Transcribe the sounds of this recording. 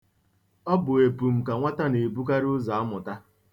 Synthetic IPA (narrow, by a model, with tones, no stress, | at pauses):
ɔ˦bʊ˨e˨pu˨m̩˨ka˨ŋʷa˦ta˦ne˨bu˦ka˦ɾʊ˦za˨a˦mʊ˨ta˦